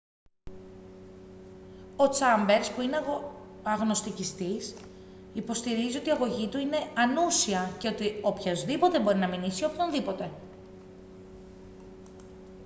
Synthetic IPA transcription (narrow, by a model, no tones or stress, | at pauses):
o̞t͡sɐmbe̞ɾspuineɐɣno̞st̪icist̪is | ipo̞st̪iɾizio̞t̪iɐɣo̞ʝit̪uine̞ɐnusiɐce̞o̞t̪io̞pçozðipo̞t̪e̞bo̞ɾinɐminisio̞pçonðipo̞t̪e̞